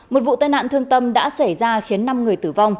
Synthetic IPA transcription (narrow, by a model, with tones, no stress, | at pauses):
mo˨˩t̚vṵ˧˨t̪aː˧jna̰ː˧˨nt̪ʰɨ˧əŋt̪ə˧mɗa̰ː˧˥sa˧˩jzaː˧xi˨˦ənːa˧mŋɨ˨˩əjt̪ɨ˧˩va˧wŋ͡m